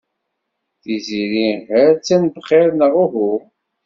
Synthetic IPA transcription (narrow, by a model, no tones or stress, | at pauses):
θiziɾihəɾt͡sːænbχeɾnəʁuhu